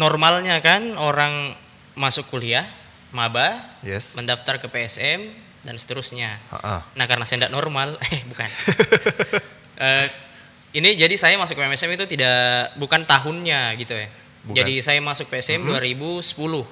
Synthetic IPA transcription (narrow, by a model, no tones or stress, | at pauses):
nɔrmalɲakanoɾaŋ | masʊkːuliah | mabahjɛməndaft̪arkəpeɛsɛm | dansə̥t̪əɾʊsɲa̰nahkaɾənasandaʔnɔrmalɛhbukan | ʔə | inid͡ʒadisajamasʊk̚pemɛsɛmit̪ut̪idaʔbukant̪aɦʊnɲaɡit̪uɛ | d͡ʒadisajamasʊk̚peɛsɛmduaɾibusə̥pulʊh